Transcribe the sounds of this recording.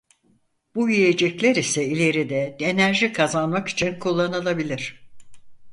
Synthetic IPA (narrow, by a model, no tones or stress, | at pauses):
b̥uije̞d͡ʒɛclʲæɾisɛilʲe̞ɾid̪ɛd̪enæɾʒikʰazanmaky̥t͡ʃʰinkʰulˠːanɯlˠabilʲiɾ̝̥